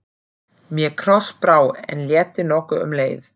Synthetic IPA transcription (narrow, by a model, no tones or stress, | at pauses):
mjɛkʰɾɔspɾaːwɛ̰nljɛːt̪ɪnɔhkʏʏ̰mleːjθ